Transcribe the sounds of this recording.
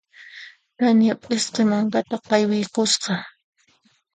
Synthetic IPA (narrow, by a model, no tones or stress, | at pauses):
t̪anjapʼɪsqemaŋkat̪apajwɪjkʊsqɑ